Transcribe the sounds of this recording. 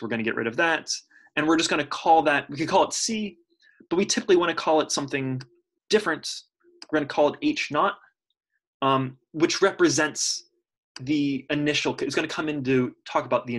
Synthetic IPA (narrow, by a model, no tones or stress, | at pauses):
wəɹɡʌ̃ñɨɡɛ̰ʔ̚ɹɪ̰ɾʌvðæt̚ | ɨ̃nwɪɹd͡ʒʌsɡ̥ʌñɨkʰɔlˠðɨt̚wikɨ̃nkʰɔlˠətsi | b̥ʌt̚witʰɪpəkliwɑ̃ñɨkʰɔlˠətsʌ̃mθɪ̃ŋ | d̥ɪfɹɨ̃nt | wwɪəɹɡʌ̃nɨkʰɔlˠdeɪt͡ʃnɑt̚ | ʌ | wɨt͡ʃɹɛpɹɨzɛ̃nts | ðiɨnɪʃl̩ˠkʰɨtsɡ̥ʌñɨkʰʌ̃mɪ̃ntʉtʰɔkəbaʊt̪̚ðiɨ